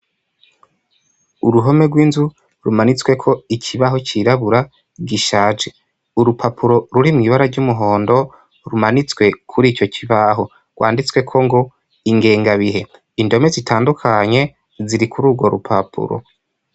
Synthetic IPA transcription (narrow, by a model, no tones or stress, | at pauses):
uɾuɦo̞me̞ɡwiːnzu | ɾumanit͡swe̞kʰo̞icʰiβaɦo̞t͡ʃiɾaβuɾa | ɡiʃaːd͡ʒe | uɾupʰapʰuɾo̞ɾuɾimŋiβaɾaɟumuɦo̞ːndo̞ | ɾumanit͡swe̞kʰuɾiːt͡ʃo̞ciβaɦo̞ | ɡ̥wʔa̰ːndit͡swe̞kʰo̞ŋɡo | iŋɡe̞ːŋɡaβiɦe̞ | indo̞me̞zitʰaːndukʰaɲe̞ | ziɾikuɾuːɡwo̞ɾupʰapʰṵɾo̰